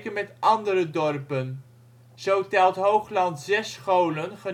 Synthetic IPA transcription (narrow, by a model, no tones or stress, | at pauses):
kənmɛtʔɑndəɾədɔrpən | z̥owtɛlˠtɦowχlɑntzɛsχowlənχə